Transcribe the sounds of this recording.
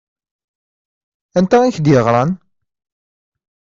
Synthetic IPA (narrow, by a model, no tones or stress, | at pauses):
ænt̪ææçd̪jəʁɾˤɑn